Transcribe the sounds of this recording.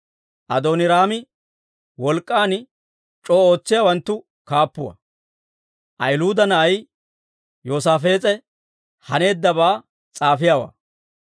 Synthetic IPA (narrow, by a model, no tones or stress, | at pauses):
ʔɐd̪oːnɪɾaːmɪ | wɔlkʼːaːn | t͡ʃʼoːo̞ːt͡sːɪjaːwɐnt̪ːʊ | kaːpːʊwɐ̰ | ʔɐjluːd̪ɐnɐʔɐj | joːsaːfe̞ːt͡sʼɛ | hɐne̞ːd̪ːɐbaː | t͡sʼaːfɪjaːwa̰ː